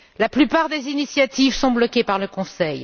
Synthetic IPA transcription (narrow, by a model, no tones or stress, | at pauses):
laplypaʁd̪ezinisjat̪ivsɔ̃blɔkʲepaʁləkɔ̃sɛj